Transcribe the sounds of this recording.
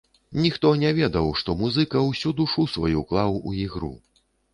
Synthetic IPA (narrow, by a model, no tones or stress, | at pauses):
nʲixt̪ɔnʲɛvʲɛd̪ɐwʂt̪ɔmuzɨkɐwsʲud̪uʂusvajuklˠawuiɣɾṵ